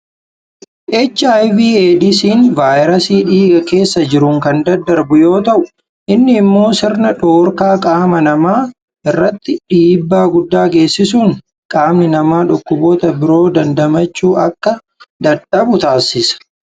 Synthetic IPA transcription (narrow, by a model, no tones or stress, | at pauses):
ʔɛt͡ʃːajviːeːd̪ɪsiːnvaːjɾɐsiːᶑiːɡɐke̞ːsːɐd͡ʒɪɾʊŋkɐnd̪ɐd̪ːɐɾbʊjo̞ːt̪ɐʔʊ | ʔɪnːɪːmːo̞ːsɪɾnɐᶑo̞ːɾkaːkʼaːmɐnɐmaː | ʔɪrːɐt̪ːɪᶑiːbːaːɡʊd̪ːaːɡe̞ːsːɪsuːŋ | kʼaːmnɪnɐmaːᶑʊkːʊboːt̪ɐbɪɾo̞ːd̪ɐnd̪ɐmɐt͡ʃːuːʔɐkːɐ | d̪ɐᶑɐbʊt̪aːsɪsɐ̥